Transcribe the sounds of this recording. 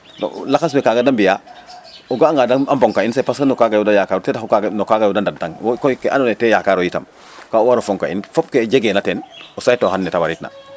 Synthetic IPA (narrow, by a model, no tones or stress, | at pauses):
no̰laxas̬mikaɡadambija | oɡaːŋɡadaamboŋkainsepaskanokaɡajudajakaːɾtɛdaxukaɡnokaɡajudandadtaŋwokojkeʔa̰nonɛtɛjakaɾojita̰m | kauwaɾofɔŋka̰ḭnfɔp̚keɟeɡenatenosajtohanːɛtawaɾitna̰